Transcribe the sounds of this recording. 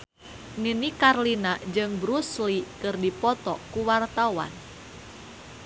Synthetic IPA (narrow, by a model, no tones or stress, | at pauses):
ninikarlinad͡ʒɨŋbɾuslikɨrdipɔt̪ɔkuwart̪awa̰n